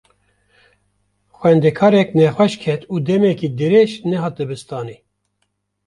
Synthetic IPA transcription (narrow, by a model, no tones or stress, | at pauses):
xʷwɛnd̪ɛkʰɑːɾɛknɛxʷɛʃkʰɛt̪uːd̪ɛmɛkiːd̪ɨɾeʃnɛɦɑːt̪̚d̪ɨbɨst̪ɑːniː